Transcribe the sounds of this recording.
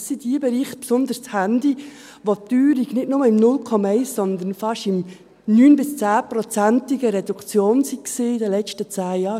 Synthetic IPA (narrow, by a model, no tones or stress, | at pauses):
ssidiəbɛɾiːχt̪̚psʊnd̪əɾst͡shænd̪i | ʋot̪yːɾiɡ̥nɪtnʊməɪmnʊlkʰɔmɑɛɪssɔnd̪ənfɑʃɪm | nyːnbɪst͡sæːpɾɔt͡sænt̪ɪɡəɾɛdukt͡sjoːnsiksiːɪdɛlɛt͡ʃtət͡sæːjɑː